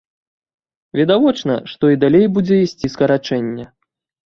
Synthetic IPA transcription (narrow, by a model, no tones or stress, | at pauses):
vʲɛd̪avɔt͡ʂnɐ̰ʂt̪ɔid̪alʲejbud͡zʲɛisʲt͡sʲiskɐɾat͡ʂɛnʲːɛ